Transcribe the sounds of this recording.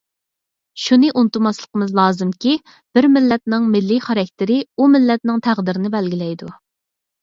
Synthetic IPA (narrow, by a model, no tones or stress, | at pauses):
ʃunɨʔunɨt̪ɨmɑslˠə̥qʰəmɨzlˠɑːzɨmkʲi | b̥ɪɾmɪlːɛt̪̚nɪŋmɪlːiχɑɾɑk̚ʲt̪ʰɪɾɪumɪlːɛt̪̚nɪŋt̪ʰæʁd̪ɪɾɪnɪbɛlɡʲilɛjd̪u